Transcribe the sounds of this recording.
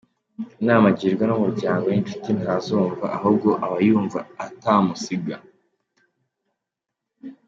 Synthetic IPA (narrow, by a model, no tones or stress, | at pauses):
naːmaɟiːɾɡwanomuɾɟaːŋɡojint͡ʃu̥tinaɾazuːɱva̰ʔaɦub̚ɡo̞ʔaβajuːɱvaataːmusiɡa